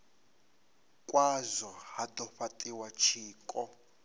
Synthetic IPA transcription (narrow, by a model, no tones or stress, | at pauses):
kʼwazɔhad̪ɔɸatʼiwat͡ʃʰiːkʼɔ